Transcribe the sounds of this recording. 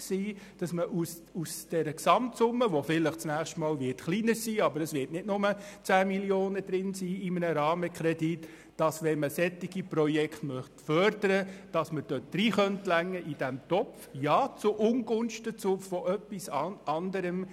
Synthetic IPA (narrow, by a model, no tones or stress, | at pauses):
siː | d̥ɑsməʔus | usd̥ɛɾəksɑmtsʊmːəʋofɪləχt͡snæːχʃtmɑːlʋɪtχliːnəɾsiːɑbəɾəsʋɪːtnɪdnʊmət͡sæːmiljoːnəd̥ɾɪnsiːɪmənəɾɑːməkχɾɛdit | d̥ɑsʋɛnməsɛt̪ːiɡ̥ipɾɔjɛkχtmœχtfœɾdəɾəd̥ɑsməd̥øt̚d̥ɾiːχœntlæŋːəʔid̥æmt̪ɔpfjɑːt͡sʊʔʊnɡʊnʃtət͡sʊfɔʔœpːisɑɑnd̪əɾəm